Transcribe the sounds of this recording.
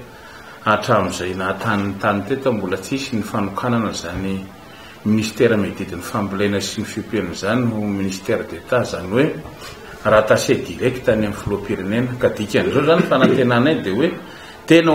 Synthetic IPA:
aʈ͡ʂamizajnat̪anint̪anit̪et̪əmbulət͡sisinifanukʰananəzani | minisi̥t̪eɾamed̪id̪inifambilenəsinifipenuzaniuminisi̥t̪eɾd̪et̪azaniwe | rat̪ased̪iɾeki̥t̪anamifulopiɾenenəkad̪ikʲanizozanifanat̪enanad̪ewe | t̪enə

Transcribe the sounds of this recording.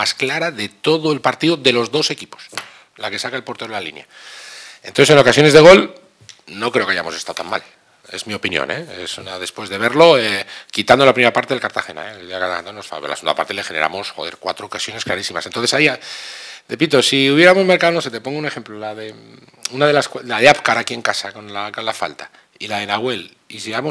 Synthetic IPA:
masklaɾaðe̞t̪o̞ðoe̞lpaɾt̪iðoðe̞lo̞zðo̞se̞kipo̥s | lake̞sakaelpoɾt̪e̞ɾlalḭnja̰ | enonθeseno̞kasjo̞nezðe̞ɣ̞o̞l | no̞kɾe̞ea̰jamo̞sest̪awt̪a̰ma̰l | e̞̰zmio̞pinjo̰ne̞̰esunaðe̞spwe̞zðe̞β̞e̞ɾlo̞ekit̪and̪olapɾimeɾapaɾt̪e̞ðelkaɾt̪axe̞na̰ed̪iakaɾt̪aent̪anosfa̰β̰la̰seund̪a̰pa̰ɾt̪e̞le̞xe̞ne̞ɾʔa̰mosxo̞ðe̞ɾkwat̪ɾo̞ːkasjo̞ne̞sklaɾisimasent̪o̞nθesaiarepit̪̬o̞siuβ̞jeɾamo̞zmeɾkawno̞s̬e̞t̪e̞po̞ŋɡoune̞xe̞mplolaðe | unaðe̞lasklaðeapkaɾakie̞ŋkasako̞nlakonlafa̰lt̪a | ilaðe̞naɣwe̞l | isiamo

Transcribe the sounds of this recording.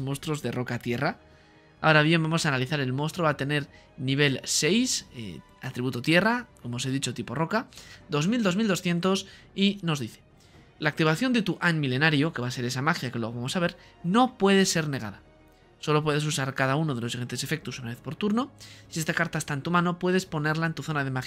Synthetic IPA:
most̪ɾo̞zðero̞kat̪je̞ra | aoɾaβje̞mbamo̞sanaliθaɾe̞lmost̪ɾoβat̪e̞ne̞ɾ | niβ̞e̞lse̞jsḛ | at̪ɾiβut̪ot̪je̞rako̞mose̞ðit͡ʃo̞t̪ipo̞ro̞kad̪o̞zmild̪o̞zmild̪osθje̞nt̪o̞s | ino̞zðiθe̥ | laːk̚t̪iβaθjo̞nd̪e̞t̪uʔanmile̞naɾjo̞ke̞βase̞ɾe̞samaxjakelwooamo̞saβ̞e̞ɾ | no̞pwe̞ð̞e̞sːe̞ɾne̞ɣa̰ða | so̞lo̞p̬we̞ð̞e̞s̬usaɾkað̞auno̞ð̞elo̞siɣe̞nt̪e̞se̞fe̞k̚t̪usunaβe̞θpo̞ɾt̪uɾno̞sie̞st̪akaɾt̪aest̪aent̪umãno̞pwe̞ð̞e̞spo̞ne̞ɾlae̞nt̪uθo̞nað̞e̞max

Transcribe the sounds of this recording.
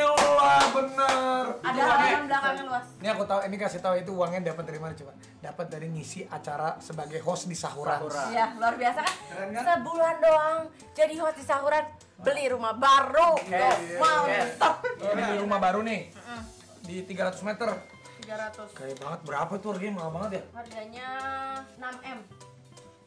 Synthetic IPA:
əluahbənəradaaaaŋbəlakaŋŋaluasniakut̪auinikasɪt̪auit̪̬uwaŋjaŋdapat̪̚daɾimadit͡ʃuba | dapat̪̚dadiŋisiʔat͡ʃaɾasəbaɡajɦɔsdisaɦuɾanuɾajaluarbiasakansəbulandoaŋ | d͡ʒadiɦɔsdisaɦuɾan | bəliɾumahbaɾu | maut̪ɔnibiɾumabaɾunɪh̩ | dit̪iɡaɾat̪ʊ̥smɛt̪ər | t̪iɡaɾat̪ʊskajabaŋət̪̚bəɾapait̪uarɡamaubaŋət̪̚jaharɡaɲa | namɛm

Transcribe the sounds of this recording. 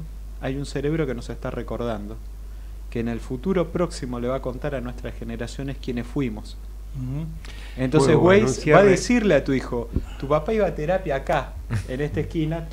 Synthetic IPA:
ajunseɾe̞β̞ɾo̞ke̞no̞se̞st̪areko̞ɾðand̪o̞ | keːnelfut̪uɾo̞pɾo̞ksimo̞le̞βako̞nt̪aɾanwe̞st̪ɾasxeneɾasjo̞neskje̞nesfwimo̞s | ent̪onsewejsbaðesiɾleat̪uixo̞t̪upapaiβat̪e̞ɾapjaːka | enest̪ehkina

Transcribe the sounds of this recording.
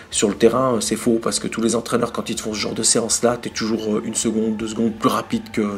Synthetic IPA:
syʁlət̪eʁɛ̃øsɛfopaʁsə̥kət̪ulezɑ̃t̪χɛnœʁkɑ̃t̪ilfɔ̃səʒɑ̃ʁd̪əseɑ̃slat̪yɛt̪uʒuʁøʔynsəɡɔ̃d̪ːəzɡɔ̃d̪̚plyʁapid̪kə

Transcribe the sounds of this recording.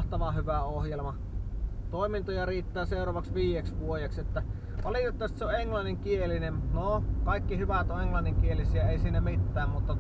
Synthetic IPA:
ht̪ɑʋɑhyʋæohjelmɑ | t̪oˑimint̪ojɑriːt̪ːæːseˑorɑʋɑksʋiːjeksʋuojekset̪ːæ | ʋɑliˑt̪et̪ːɑˑist̪seoʔeŋlɑnːiŋkielinennokɑˑikːihyʋæt̪oʔeŋlɑnːiŋkielisiæeˑisiːnæmit̪ːæːmmut̪ːɑ

